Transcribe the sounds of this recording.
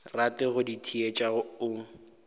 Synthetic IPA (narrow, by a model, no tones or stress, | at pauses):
ratɪɣʊditʰiet͡ʃʼaɣʊʊːŋ̩